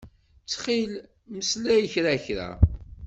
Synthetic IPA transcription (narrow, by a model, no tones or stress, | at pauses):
t͡sːχil | məslæjəçɾaçɾa̰